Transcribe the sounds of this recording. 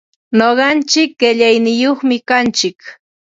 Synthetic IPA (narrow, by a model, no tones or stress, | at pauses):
noɢɑnt͡ʃɪkɢeʎajnɪjoχmɪkant͡ʃɪk